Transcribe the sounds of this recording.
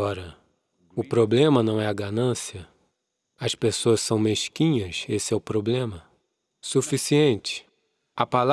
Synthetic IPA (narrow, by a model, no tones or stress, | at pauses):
ɔɾɐ | ʊpɾoblẽmɐnɐ̃w̃ɛɐɡanɐ̃siɐ | ɐspesoɐssɐ̃w̃meʃkĩɲɐsesɪɛʊpɾoblẽmɐ | sufisiẽnt͡ʃɪ̥ | ɐpal